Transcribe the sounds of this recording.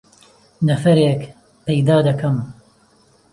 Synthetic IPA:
nɐfɐɾeːk | pejd̪aːd̪ɐkɐm

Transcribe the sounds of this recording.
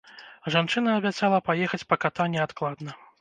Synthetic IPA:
ʐant͡ʂɨnɐːbʲat̪salˠɐpajɛxɐt͡sʲpɐkat̪anʲɛat̪klˠad̪nɐ

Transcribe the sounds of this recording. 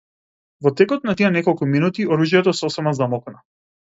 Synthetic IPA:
vɔt̪ɛkɔt̪̚nat̪ianɛkɔlˠkuminut̪iɔɾuʒjɛt̪ɔsɔsɛmazamɔkna

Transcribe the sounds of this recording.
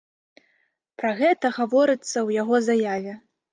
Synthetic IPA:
pɾɐɣɛt̪ɐɣavɔɾɨt̪sːɐwjaɣɔzajavʲɛ

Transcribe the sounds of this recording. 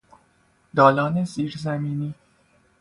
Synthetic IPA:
d̪̥ɒːlɒːneziːɾzæmiːniː

